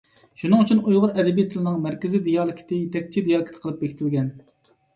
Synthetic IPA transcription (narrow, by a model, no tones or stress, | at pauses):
ʃunɨŋyt͡ʃʰynujʁʊɾɛd̪ɛbijt̪ʰɪlɪnɨŋmæɾkʲɪzɪd̪ijɑːlˠɪkʲʰɪ̥t̪ʰɪt̪ʰɛk̚ʲt͡ʃʰid̪ijɑlˠɨkʲʰt̪ɪ̥qʰəlˠɨp̚bekʲʰɪt̪ʰɪlɡʲɛn